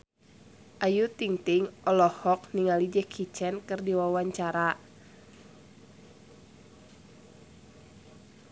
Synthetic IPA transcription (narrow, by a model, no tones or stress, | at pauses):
ʔajut̪iŋt̪iŋʔɔlɔhɔk̚niŋalid͡ʒɛkʰit͡ʃɛnkɨrdiwawaɲt͡ʃaɾa